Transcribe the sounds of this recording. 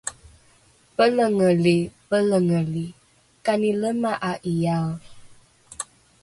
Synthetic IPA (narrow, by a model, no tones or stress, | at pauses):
pələŋəlebələŋəli | kaniləmaʔaʔijal